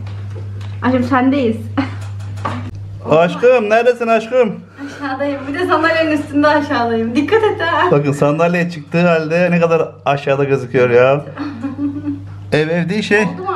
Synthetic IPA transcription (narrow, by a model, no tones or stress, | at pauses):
aʃɯmsænd̪ejiz̥ | aʃkɯmnæɾd̪esinaʃkɯm | aʃaːd̪ajɯmbid̪ɛsand̪alʲjeninyst̪ʰynd̪ɛaʃaːlˠajɯmd̪ikʰːat̪et̪ːɛbakɯnsand̪alʲejɛt͡ʃʰɯk̚t̪ɯːɦalʲd̪ɛnekad̪aɾ | aʃaːd̪aɡazɯkʰɯjo̞ɾjaː | ɛvɛvd̪iːʃej